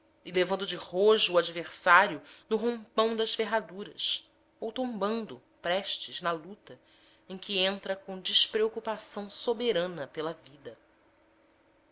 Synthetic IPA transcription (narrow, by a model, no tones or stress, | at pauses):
ilevɐ̃nd̪ʊd͡ʒɪhoʒʊːad͡ʒiveɾsaɾjʊnʊɦõmpɐ̃w̃d̪ɐʃfeɦad̪uɾɐs | owt̪õmbɐ̃nd̪ʊ | pɾɛʃt͡ʃɪznɐlut̪ɐ | ẽj̃kʲiẽnt̪ɾɐkõw̃d͡ʒiʃpɾeokupasɐ̃w̃sobeɾɐ̃nɐpelɐvid̪ɐ